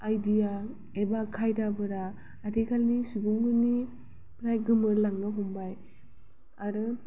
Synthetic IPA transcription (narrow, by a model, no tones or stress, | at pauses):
ajdija | ebakʰajdabɯɾaː | dikʰalnisuɡuŋɡɯni | pɾajɡɯmɯɾlaŋɡaɦɔmbaj | aɾɯ